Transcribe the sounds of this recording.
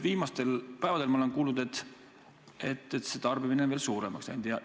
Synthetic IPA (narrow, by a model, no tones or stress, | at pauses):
viːmɑst̪e̞lpæevɑd̪elmɑoenkuːlnud̪e̞t̪ː | et̪ˑːet̪se̞t̪ɑrb̥imineveːlsuːɾe̞mɑksɑjnd̪ijɑ